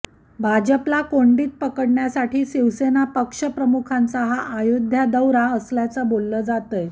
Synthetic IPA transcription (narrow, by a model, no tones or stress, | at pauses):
bʱad͡ʑəplakoɳɖiːt̪̚pəkəɽɳjasaʈʰiːɕiʋsenapəkʂəpɾəmukʰant͡saɦaʔːjod̪ʱjad̪əwɾaəsljat͡səːbolːəːd͡zat̪əj